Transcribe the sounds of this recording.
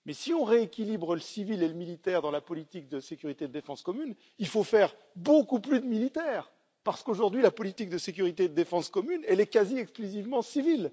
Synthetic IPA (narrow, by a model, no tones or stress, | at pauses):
mɛsiɔ̃ʁeekʲilibʁləsivileləmilit̪ɛʁd̪ɑ̃lapɔlit̪ik̚d̪əsekʲyʁit̪ed̪əd̪efɑ̃skɔmyn | ilfofɛʁ | bokuplyd̪əmilit̪ɛːʁ | paʁsə̥koʒuʁd̪ɥilapɔlit̪ik̚d̪əsek̬ʲyʁit̪ed̪əd̪efɑ̃skɔmynɛlɛkaziɛksklyzivmɑ̃sivil